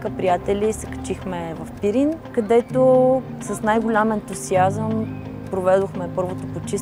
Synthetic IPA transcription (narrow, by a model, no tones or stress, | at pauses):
kəpɾijat̪ɛlʲisɛkɐ̥t͡ʃixmɛvɐfpiɾinkɐd̪ɛt̪o | sɐsnajɡʊlʲamɛnt̪usiazəm | pɾovɛd̪oxmɛpɤɾvot̪opot͡ʃis